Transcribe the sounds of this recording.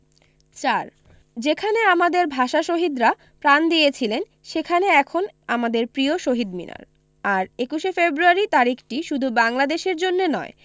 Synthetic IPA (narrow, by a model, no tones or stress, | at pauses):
t͡ɕaɾ | d͡ʑekʰaneamad̪eɾbʱaʃaʃoɦid̪ɾa | pɾand̪ijet͡ɕʰilen | ʃekʰaneɛkʰonamad̪eɾpɾioʃoɦid̪mḭna̰ɾ | aɾekuʃefebɾuaɾit̪aɾikʰʈiʃud̪ʱubaŋlad̪eʃeɾd͡ʑonːenɔ̰e